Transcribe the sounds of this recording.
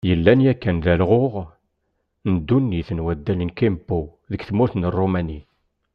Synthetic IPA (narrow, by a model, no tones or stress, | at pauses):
jəlːænjækːænðælʁoʁ | nəd̪ːunːiθənwæd̪ːælənkimbu | ðəkθmuɾθnərˤːomæni